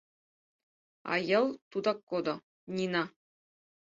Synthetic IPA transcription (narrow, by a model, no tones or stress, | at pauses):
ɑ̰jɤlˠt̪ud̪ɑkːod̪ɤ̆ | nʲinɑ